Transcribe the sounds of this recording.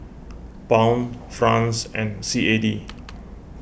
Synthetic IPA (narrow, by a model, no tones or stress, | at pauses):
pãw̃nfɹãnsɛ̃nsiedi